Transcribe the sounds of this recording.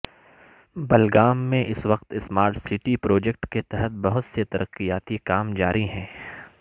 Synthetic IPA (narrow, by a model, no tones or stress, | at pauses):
bɐlɡaːmːẽʔɪsʋɐqt̪ɪsmaːɾʈsɪʈipɾoːd͡ʒek̚ʈket̪ɛɦət̪̚bɐɦʊt̪set̪ɐɾʔəqːijaːt̪ikaːmd͡ʒaːɾʔiɦɛ̃ː